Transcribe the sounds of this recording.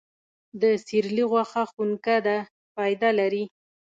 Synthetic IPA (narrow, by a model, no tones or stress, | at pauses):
d̪əsiɾliɣwaxaxunkad̪a | fɑjd̪alaɾi